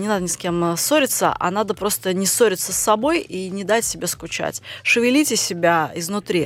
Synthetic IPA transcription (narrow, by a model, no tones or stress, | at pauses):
nʲɪnad̪ənʲɪskʲe̞mso̞ɾʲɪt̪sə̰ʔa̰nad̪əpɾo̞st̪ənʲɪsoɾʲɪt̪səsːɐbo̞jinʲɪd̪atʲsʲɪbʲeskʊt͡ɕa̰tʲʂɨvʲɪlʲitʲɪsʲɪbʲaɪznʊt̪ɾʲi